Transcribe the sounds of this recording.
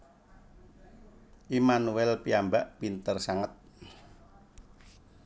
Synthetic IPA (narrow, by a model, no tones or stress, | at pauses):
ʔimanuɛlpiambaʔpint̪ərsaŋət̪̚